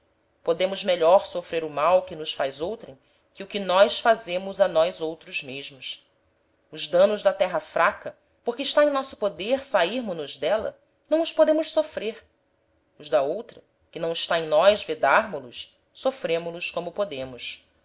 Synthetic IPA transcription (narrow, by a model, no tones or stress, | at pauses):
pod̪ẽmʊzmeʎɔɾsofɾeɾʊmawkɪnʊsfajzowt̪ɾḛ̃j̃ | kɪʊkɪnɔjsfazẽmʊzɐnɔjzowt̪ɾʊzmeʒmʊs | ʊzd̪ɐ̃nʊʒd̪ɐt̪ɛɦɐfɾakɐ | poɾkɪːʃt̪aẽj̃nɔsʊ̥pod̪eɾsaiɾmʊnʊʒd̪ɛlɐ̰ | nɐ̃w̃ʊspod̪ẽmʊʃsofɾeɾ | ʊzd̪ɐowt̪ɾɐ | kɪnɐ̃w̃ɪʃt̪aẽj̃nɔjzved̪aɾmʊlʊs | sofɾẽmʊlʊskõmʊpod̪ẽmʊs